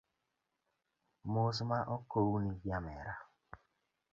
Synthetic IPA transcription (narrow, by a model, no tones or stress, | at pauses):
mosʊmaʔokowuniɡjamḛɾa